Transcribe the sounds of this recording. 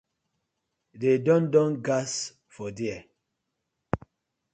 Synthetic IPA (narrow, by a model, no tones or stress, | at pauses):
dedɔ̃ndɔ̃nɡas | fɔdiɛ